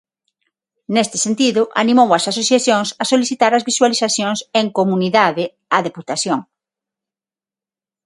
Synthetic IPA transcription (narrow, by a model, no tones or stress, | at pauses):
nest̪ɪ̥sent̪iðʊʔa̰nimowɐsasoθjaθjoŋsasoliθit̪aɾɐzβiswaliθaθjoŋseŋkomuniðaðɪ | aðeput̪aθjoŋ